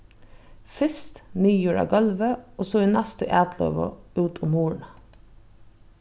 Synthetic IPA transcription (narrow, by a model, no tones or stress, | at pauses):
fʏst̪nyːjuːɾɑ̰ɡɑlʋəʔoːsoːiːnæst̪ə̰ʔæːt̪ʰlø̰ːʋə̰ʉːt̪ʰʊmhuːɳ̩